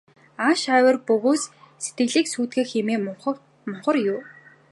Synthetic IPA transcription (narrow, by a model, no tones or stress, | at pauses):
aːʃæːwə̆rpɵɣoːsset̪ɡɘ̆ɮiːksuːt̪ɡeːxemeːm | mʊɴχə̆rjʊː